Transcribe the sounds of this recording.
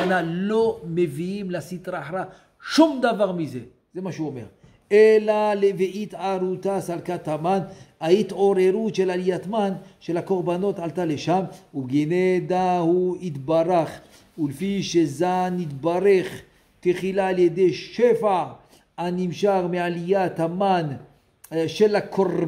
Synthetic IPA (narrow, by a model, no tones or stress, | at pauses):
nalo̞me̞viimlasit̪ʁaːħɾa | ʃumd̪avaʁmize̞ | z̥emaʃeuome̞̰ʁ | elaleviʔit̪ʕaɾut̪asalkat̪amanait̪ʕo̞ɾeɾut̪ʃelalijat̪manʃelako̞ʁbano̞t̪ʕalt̪aleʃamubɡened̪ahuit̪baɾaχ | ulefiʃezanit̪baɾeχ | t̪eχilaːljed̪ejʃefaʕ | animʃaʁmealijat̪aman | ʃelakʰo